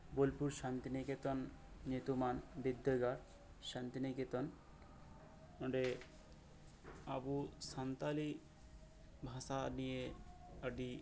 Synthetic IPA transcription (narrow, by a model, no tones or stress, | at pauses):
bolpuɾʃant̪iniket̪onː | et̪umanbid̪ːeɡaɾ | ʃant̪iniket̪on | oɖe | a̰busant̪ali | bʱasanijeaɖi